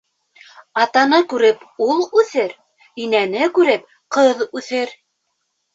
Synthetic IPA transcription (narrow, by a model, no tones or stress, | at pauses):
ɑt̪ɑnɤkʉɾɘpulˠʉθɘɾ | inænɘkʉɾɘp | qɤðʉθɘɾ